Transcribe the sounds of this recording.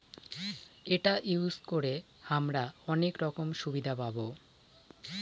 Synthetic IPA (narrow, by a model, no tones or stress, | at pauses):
eʈaʔiwskoɾe | hamɾaɔnekɾɔkomʃubid̪ʱapabo